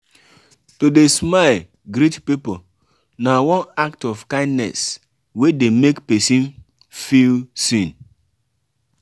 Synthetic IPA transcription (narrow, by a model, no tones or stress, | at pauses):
todesmal | ɡɾitpipo | nawɔ̃naktɔfkãɪ̃ndnɛ̰s | wedemekpesĩn | filsĩn